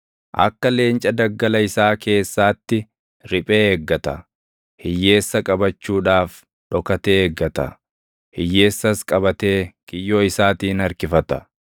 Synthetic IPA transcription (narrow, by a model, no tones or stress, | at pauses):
ʔɐ̰kːɐle̞ːnt͡ʃʼɐd̪ɐɡːɐlɐɪsaːke̞ːsːaːt̪ːɪ | ɾɪpʼe̞ːɛɡːɐt̪ɐ | hɪjːe̞ːsːɐkʼɐbɐt͡ʃːuːᶑaːf | ᶑɔkɐt̪eːɛɡːɐt̪ɐ̰ | hɪjːe̞ːsːɐskʼɐbɐt̪e̞ːkɪjːo̞ːɪsaːt̪iːnɐɾkɪfɐt̪ɐ̥